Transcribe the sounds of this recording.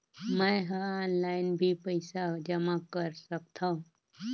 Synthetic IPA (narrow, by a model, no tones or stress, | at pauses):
mə̃ɦəɔːnlaɪnbʱipəɪsad͡ʒəmakəɾsəkt̪ʰaũ